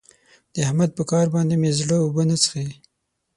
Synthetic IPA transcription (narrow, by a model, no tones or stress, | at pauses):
d̪̥əahmad̪̚pəkɑɾbɑnd̪emezɽəubənat͡sə̥xe